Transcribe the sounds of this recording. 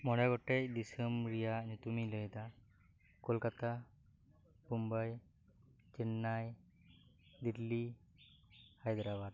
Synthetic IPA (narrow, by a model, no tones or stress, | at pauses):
mɔɽɛɡɔʈec̚d̪isəmɾijaɲut̪umiləjd̪a | kɔlkat̪a | bumbaj | t͡ʃinːaj | d̪iɾli | hajd̪ɾabat̪